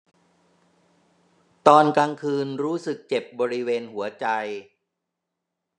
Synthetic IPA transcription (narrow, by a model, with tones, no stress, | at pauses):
t̪ɔː˧nkaː˧ŋkʰɯː˧nɾuː˦˥sɯ˨˩k̚t͡ɕe˨˩p̚bɔː˧ɾi˦˥weː˧nhu˩˦ɐt͡ɕa˧j